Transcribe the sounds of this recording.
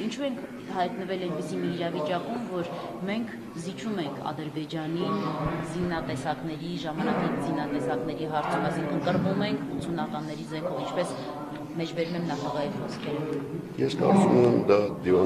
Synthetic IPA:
int͡ʃʰuɛŋkʰ | hɑjt̪nəvɛlɛjnpisimiːɾɑvit͡ʃɑkumvɔɾ | mɛŋkʰ | zit͡ʃʰumɛŋkʰɑ̰d̪əɾbɛd͡ʒɑnizinːɑt̪ɛsɑknɛɾiʒɑmɑnɑkinzinɑt̪ɛsɑknɛɾiɦɑɾt͡sʰɔvɑjsiŋkʰənkəɾvumɛŋkʰut͡sʰunɑkɑnːɛɾizɛŋkʰɔvint͡ʃʰpɛs | mɛt͡ʃʰbɛɾumɛmnɑχɑɡɑɦiχɔskʰɛɾə | jɛskɑ̰ɾt͡sumɛmd̪ɑd̪ivɑ

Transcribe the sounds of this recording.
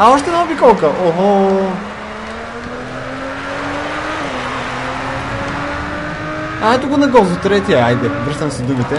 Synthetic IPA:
aɔʃt̪ɛnɔbikɔlˠkəʔoɦɔ | aɛt̪ʊɡonɐɡɔzot̪ɾɛt̪iaajd̪ɛbɾəʃt̪ɐmsɛd̪umit̪ɛ

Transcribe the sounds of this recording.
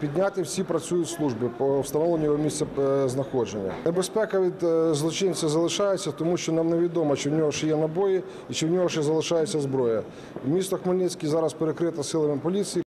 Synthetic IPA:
pʲid̪ʲnʲat̪ɪwsʲipɾɐt͡sʲujʊtʲslˠuʐbɪwst̪ɐnɔlenʲiɔwmʲist̪sʲɛznɐxɔd͡ʒenʲːɐ̰nebespɛkɐʋʲid̪zlˠɔt͡ʃɪnsʲɐzɐlˠɪʃɑjet͡sʲːɐt̪ɔmuʃt͡ʃɔnɑmneʋʲid̪ɔmɐt͡ʃɪwnʲɔɦɔʃjɛnɐbɔji | it͡ʃɪwnʲɔɦɔʃɛzɐlˠɪʃɑjet͡sʲːɐzbɾɔjɐ | wmʲist̪ɐxmɐlʲnʲɛsʲkʲizɑɾɐspeɾekɾɪt̪ɐsɪlˠɐmɪpɔlʲit͡sʲiji

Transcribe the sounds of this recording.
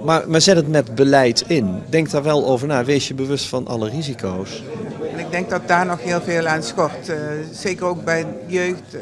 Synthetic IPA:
maːɹməzɛtɦətmɛtbəlɛjtɪndɛŋk̚tdaːɹʋɛlˠowvəɹnaːʋejsjəbəʋɵstfɑnʔɑ̰lərizikʰows | ɛnɪɡ̚dɛŋk̚dɑt̚daːɹnɔxɦɪːlˠveːlˠansxɔrtzeːkərowk̚bɛjjøːxt

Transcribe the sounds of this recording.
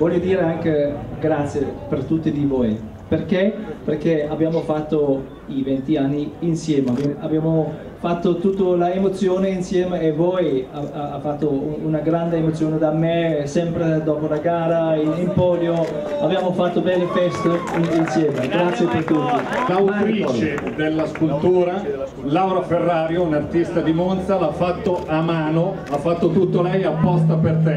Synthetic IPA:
vɔʎjod̪iːɾeaŋkeɡɾat̪sːjepert̪ut̪ːid̪ivoj | perkeperkeabːjaːmofat̪ːo | ivɛnt̪ianːiːnsjɛːmeababːjaːmo | fat̪ːot̪ut̪ːolaemot̪sːjoːneinsjɛːmeːvɔjaaafat̪ːounaɡɾand̪eːmot̪sjoːned̪amːesɛmpɾed̪ɔːpolaɡaːɾailimpɔːljo | avjaːmofat̪ːobɛlːifɛst̪oinsjɛːmeɡɾat̪sːjepert̪ut̪ːilawt̪ɾiːt͡ʃed̪elːaskult̪uːɾa | lawɾaferːaːɾjounart̪ist̪ad̪imont̪salafːat̪ːoʔamaːno | afːat̪ːot̪ut̪ːolɛjapːɔst̪apert̪ɛ

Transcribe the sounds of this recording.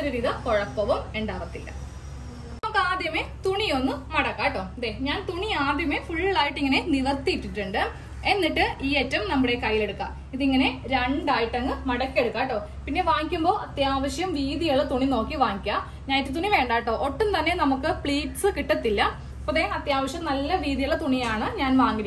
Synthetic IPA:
ɐɾuɾiːðɐmkoɻɐpːɐʋɐmeɳɖaːʋɐt̪ːilːɐ̰ | nɐmukːɨaːd̪jɐmet̪uɳijo̞nːɨmɐɽɐkːaːʈːoːd̪eɲaːnt̪uɳiaːd̪jɐme̞fuɭːiɭaːjiʈːiŋːɐne̞niʋɐrt̪ːiʈːiʈːuɳɖɨ | e̞nːiʈːɨiːetːɐmnɐmːuɽe̞kɐjːile̞ɽukːa̰ː | iðiŋːɐne̞ɾeɳɖaːjiʈːɐŋːɨmɐɽɐkːe̞ɽukːaːʈːoː | pinːe̞ʋaːŋikʲːumbo̞ːɐt̪jaːʋɐɕjɐmʋiːðijuɭːɐt̪uɳino̞ːkːiʋaːŋikʲːa | ɲaːnitːɨt̪̬uɳiʋe̞ːɳɖaːjiʈːoːʔoʈːɐmt̪ɐnːe̞nɐmukːɨpɭiːʈsɨkiʈːɐt̪ːilːɐ | pːoðeɐt̪jaːʋɐɕjɐmnɐlːɐʋiːðijuɭːɐt̪uɳijaːɳɨɲaːnʋaːŋɡiɾi

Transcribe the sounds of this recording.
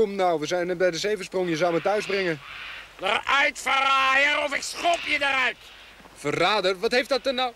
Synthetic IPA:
ɔmnawʋəzɛjnɛbɛjdəseːvəsproŋjəzawmətœɥzbrɪŋədərœɥtfəraːjəɾɔfɪksχɔpjədəɾœɥt | fəraːdərʋɔtheftdɔt̚dənaw

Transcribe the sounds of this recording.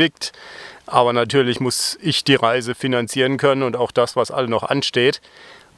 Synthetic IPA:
ɪk̚tʔaːbɐnatʰyːɐlɪçmʊsɪçd̥iːʁaɪzəfinant͡siːʁənkʰœnənʊntaʊxd̥asv̥asʔa̰lənɔχʔa̰nʃteːt

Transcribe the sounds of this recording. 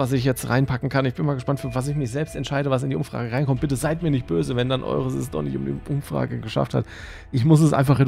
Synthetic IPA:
as̬ɪçjɛt͡stʁa̰ɪnpʰakŋ̩kʰannɪçb̥ɪnmaːlɡəʃpantfyːɐvas̬ɪçmɪçz̥ɛlpstɛntʃaɪɾəvas̬ɪndiːʔʊmfʁ̥a̰ːɡəʁaɪnkʰɔmt̚b̥ɪtəzaɪtmiːɐnɪçt̚b̥øːzəvɛndanʔɔ̰ʏʁəsɛ̰s̬d̥ɔ̰χnɪçtʊ̰mdḭʔʊmfʁ̥a̰ːɡəɡəʃa̰ftha̰t | ʔɪçmʊs̬ɛsʔa̰ɪnfaχe

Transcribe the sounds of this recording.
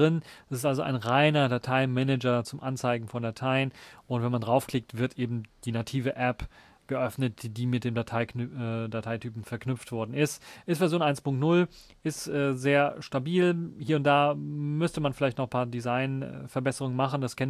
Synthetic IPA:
ʁɪnd̥asɪstʔalzoʔa̰ɪnʁaɪnɐdatʰaɪmɛnɛd͡ʒɐt͡sʊmʔant͡saɪɡŋ̩fɔndatʰaɪənʔʊntvɛnmandʁaʊfkl̥ɪk̚tv̥ɪɐtʔeːbm̩d̥iːnatʰiːvəʔɛp | ɡ̥əʔœfnət̚d̥d̥iːmɪt̚d̥eːmdatʰaɪdatʰaɪtʰyːpm̩fɛɐknʏpp͡ftv̥ɔɐdn̩ɪstʔɪstfɛɐzjoːnʔaɪnspʊŋktnʊl | ʔɪstʔɛːzeːɐʃtabiːlhiːɐʊnt̚d̥aːmʏstəmanfɪlaɪçtnɔχpʰaːɐdizaɪnfɛɐbɛsəʁʊŋənmaχn̩daskʰɛn

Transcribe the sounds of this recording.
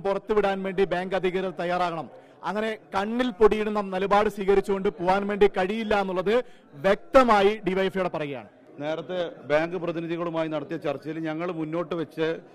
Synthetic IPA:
purɐt̪ːɨʋiɽaːnʋe̞ːɳɖibaːŋɡɐd̪ʱiɣɐɾɐt̪t̪ɐjːaːraːɣɐɳɐm | ɐ̰ŋːɐne̞kɐɳːilpoɽijiɽunːɐmnɐlɐbaːɽɨsʋiːɣɐɾit͡ɕːuɣo̞ɳɖɨpoʋaːnʋe̞ːɳɖikɐɻijilːaenːuɭːɐðɨ | ʋjek̚t̪ɐmaːjiɖiʋɐjfjuɽepɐrɐjija̰ːɳɨ | ne̞ːɾɐt̪ːebaːŋɡɨprɐðiniðiɣɐɭumaːjinɐɽɐt̪ːijɐt͡ɕɐrt͡ɕːɐjilɲɐŋːɐɭmunːo̞ːʈːɨʋet͡ɕːɨ

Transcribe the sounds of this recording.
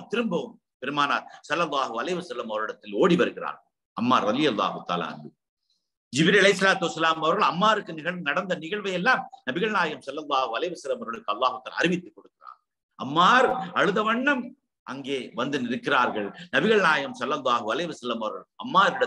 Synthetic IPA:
t̪ɪɾɯmbɐʋɯm | pɪɾɯmaːnaːsɐlːɐlˠˤːaːɦɯɐlɐɦɪʋɐsɐlːɐmɐʋɐɾɪɽɐt̪ːɪloːɽipɐɾɯɣɪra̰ːɾɣɐɭ | ɐmːaːɾɾɐðɪjɐlːa̰ːhɯt̪ːa̰ːla̰ːɐ̰ndɯ | d͡ʒɪbɪɾɐlɐɪsːɐlaːt̪ɯʋɐsːɐlaːmɐʋɐɾɣɐɭɐmːaːɾɯkːɯnɪɣɐɭnɐɽɐnd̪ɐnɪɣɐɭʋɐjɛlːaːmnɐbɪɣɐɭnaːjɐmsɐlːɐlˠˤːaːhɯɐlɐɦɪʋɐsɐlːɐmɐʋɐɾɣɐɭɯkːɯɐlːaːɦɯt̪ːaːl̰ːɐɾɪmɪt̪ːɯkːɔɽɯkːɪra̰ːɾɣ | ɐmːaːɾɐɻɯðɐʋɐɳːɐm | ʔɐŋɡeːʋɐnd̪ɯnɪɾɯkːɪraːɾɣɐɭnɐbɪɣɐɭnaːjɐmsɐlːɐlˠˤːaːhɯɐlɐɪʋɐsɐlːɐmɐʋɐɾɣɐɭɐmːaːɾɪɽɐ

